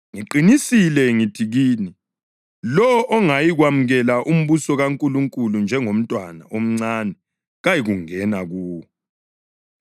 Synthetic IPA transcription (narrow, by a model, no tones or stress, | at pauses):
ŋiǃinisilɛŋitʰiɣiːni | lɔʔɔŋajiɣwamuɣɛlaʔum̩βusɔɣaŋkʼuluŋkʼulund͡ʒʱɛŋom̩tʼwanaʔom̩ŋ͡ǀanɛ | ɣajiɣuŋɛnaɣuːwɔ